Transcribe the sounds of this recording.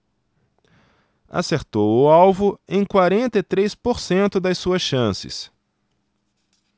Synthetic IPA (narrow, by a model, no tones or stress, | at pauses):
a̰seɾt̪owʊawvʊẽj̃kwaɾẽnt̪ɐt̪ɾejspoɾsẽnt̪ʊd̪ɐjsuɐsʃɐ̃sɪ̰s